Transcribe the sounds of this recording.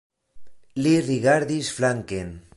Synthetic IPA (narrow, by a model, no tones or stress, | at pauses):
liriɣaɾðisflaŋken